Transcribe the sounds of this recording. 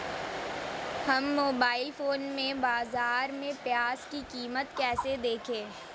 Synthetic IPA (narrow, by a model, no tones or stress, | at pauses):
hɐmːoːbaːɪlfoːnmẽbaːzaːɾmẽpjaːzkikiːmət̪kɛːsed̪eːkʰẽː